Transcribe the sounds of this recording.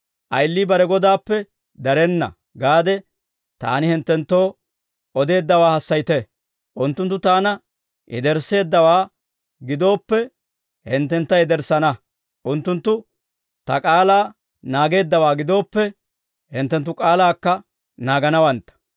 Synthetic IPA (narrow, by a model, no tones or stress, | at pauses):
ʔɐjlːibɐɾɛɡɔd̪aːpːɛ | d̪ɐɾɛnːɐ̰ | ɡaːd̪ɛ | t̪a̰ːnɪhɪnt̪ːɛnt̪ːo̞ː | ʔɔd̪e̞ːd̪ːɐwaːhɐsːɐjt̪ɛ | ʔʊnt̪ːʊnt̪ːʊt̪aːnɐ | ʔɛ̰d̪ɛɾse̞ːd̪ːɐwaː | ɡɪd̪o̞ːpːɛ | hɪnt̪ːɛnt̪ːɐɛd̪ɛɾsɐnɐ | ʔʊnt̪ːʊnt̪ːʊ | t̪ɐkʼaːlaː | naːɡe̞ːd̪ːɐwaːɡɪd̪o̞ːpːɛ | hɪnt̪ːɛnt̪ːʊkʼaːlaːkːɐ | naːɡɐnɐwɐnt̪ːɐ̥